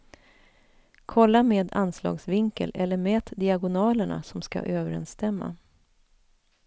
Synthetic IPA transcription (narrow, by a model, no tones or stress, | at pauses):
kʰɔlːameːd̪anslɑ̰ːɡsvɪŋkə̰lɛlːəɾmeːt̪d̪ɪaɡʊnɑːləɳa̰sɔmska̰ʔøːvəɾɛ̰nst̪ɛmːa̰